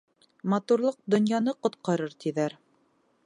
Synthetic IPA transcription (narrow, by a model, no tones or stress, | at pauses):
mɑt̪uɾlˠɤq̚d̪ŏnjɑnɤqŏt̪̚qɑɾɤɾt̪iðæɾ